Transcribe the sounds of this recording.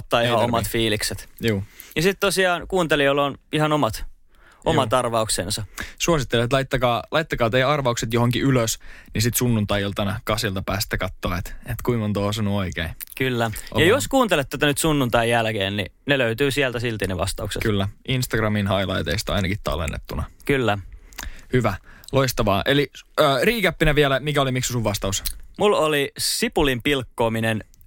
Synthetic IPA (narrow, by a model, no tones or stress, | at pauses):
t̪ːɑːihɑomɑt̪fiːlikset̪juːjɑsit̪t̪osiɑːnkuːnt̪eliolːonihɑnomɑt̪ | omɑt̪ɑrʋɑuksensɑsuosit̪ːelet̪lɑit̪ːɑkɑːlʔɑit̪ːɑkɑːt̪ejɑrʋɑukset̪johoŋkiyløsnisit̪sunːunt̪ɑijolt̪ɑnɑkɑsilt̪ɑpæːst̪ːækɑt̪ːoːet̪et̪kuimont̪oːsɑnuoikeː | kylːæʔo̰jɑjoskuːnt̪elet̪t̪ːæt̪ænyt̪sunːunt̪ɑjjjælkḛːnnḭneløyt̪yːsiælt̪æsilt̪ineʋɑ̰st̪ɑuksḛtkylːæʔinst̪ɑɡrɑminɦɑilɑ̰it̪ḛist̪ɑɑ̰jnɑkit̪ɑ̰lḛnːḛt̪ːunɑkylːæ | hyʋæloist̪ɑʋɑːʔeliəːriːkæpːinæʋiælæmikæolimiksusuʋʋɑst̪ɑusmulolisipulimpilkːoːminen